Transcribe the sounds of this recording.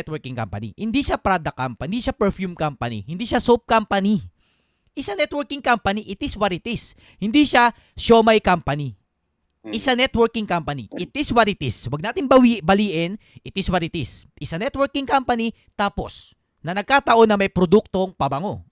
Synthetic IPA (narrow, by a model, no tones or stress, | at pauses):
ɛt̪wɛɹkɪŋka̰mpɐ̰nḭhɪnd̪iʃapɾaːd̪ɐkampɐnd̪iʃapɛɹfjumkampɐnḭhɪnd̪iːʃasop̚kampɐni | ʔɪsanɛt̪̚wɛɹkɪŋkampɐniʔɪt̪ɪswɐɾɪt̪ɪs | hɪnd̪iʃa | ʃomɐjkampɐni | ʔɪsanɛt̪wɛɹkɪŋkampɐniʔɪt̪ɪswɐt̪ɪt̪ɪswɐɡ̚naːt̪ɪŋbɐwibɐliːʔɪnɪt̪ɪswɐt̪ɪt̪ɪsʔɪsanɛt̪wɛɹkɪŋkampɐni | t̪aːpo̞̰s | nɐnɐɡ̚kaːt̪ɐʔo̞nɐmɐjpɾod̪uk̚t̪o̞ŋpɐbɐŋo̞